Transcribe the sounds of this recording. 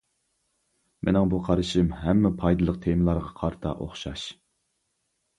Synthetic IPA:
mʔḛnɪŋbuqʰɑɾɨʃimɦɛmːɛpʰɑjd̪ɨlˠəq̚t̪ʰemlˠɑɾʁɑqʰɑɾt̪ʰɑ̰ʔo̰χʃɑʃ

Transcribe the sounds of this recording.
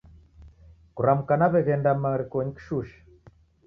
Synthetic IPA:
kuɾamukanaβɛɣɛndamaɾikɔɲiki̥ʃuʃḁ

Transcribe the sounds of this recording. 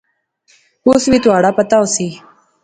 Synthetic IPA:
uːsʋiːt̪ʊaːɽaːpət̪aːosiː

